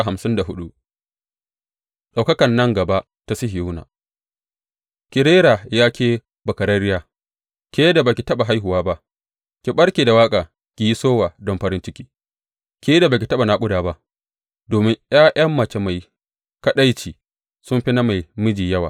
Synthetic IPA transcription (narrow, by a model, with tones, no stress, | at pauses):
ɦa˨msɪ˦nda˨ɦʊ˦ɗu˦ʔ | ɗa˨wkɐ˦kɐ˨nːɐ˦ŋɡɐ˨ba˦ʔ | ta˦sɪ˦hɪ˨uː˦na̰ː˨ | kʲɪ˨ɾeː˦ɾaː˨jaː˦kʲeː˦ | bɐ˨kɐ˨ɾɐ˦ɾɪ˦jaː˦˨ | kʲe˦jda˨ba˨kʲi˨tɐ˦ɓa˨ɦa˦jɦʊ˨waː˦ba˦ʔ | kʲi˨ɓɐ˦ɽkʲiː˨da˨waː˦kʼaː˨ | kʲi˨ji˦soː˦waː˨dɔ˦mɸɐ˦ɾɪ˦nt͡ʃɪ˦kʲiː˦ | kʲe˦da˨baː˨kʲi˨tɐ˦ɓa˨naː˦kʷʊ˦daː˨ba˦ʔ | doː˨mɪ˦ŋj̰aː˦ʔɐ˦mːɐ˨t͡ʃe˦ma˨j | kɐ˦ɗa˦jt͡ʃiː˨ | sʊ˦mɸi˦na˦ma˨jmʊ˦d͡ʒiː˨jɐ˦wa̰ː˨